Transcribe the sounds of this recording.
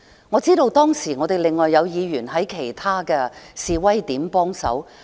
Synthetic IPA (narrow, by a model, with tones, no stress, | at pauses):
ŋɔː˨˧t͡siː˥ɾo˧wt̪ɔː˥ŋsiː˨˩ŋɔː˨˧t̪e˨jlɪ˨ŋːɔː˨jːɐ˨˧wjiː˨˧ɥyː˨˩nɦɐ˨˥jkʰe˨˩jt̪ʰaː˥kɛː˧siː˨wɐ˥jt̪iː˨˥mpɔː˥ŋsɐ̰˨˥w